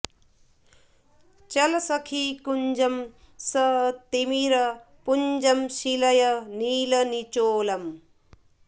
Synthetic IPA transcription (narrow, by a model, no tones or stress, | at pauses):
t͡ʃɐlɐsɐkʰikuɲd͡ʒɐm | sɐt̪imiɾɐ | pund͡ʒɐmsilɐjɐniːlɐnit͡ʃoːlɐm